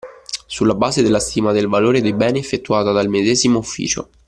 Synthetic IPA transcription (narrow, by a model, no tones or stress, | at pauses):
sulːabaːzed̪elːast̪iːmad̪elvaloːɾed̪ejbɛːniefːet̪ːuaːt̪ad̪almed̪ɛːzimoufːḭːt͡ʃo̰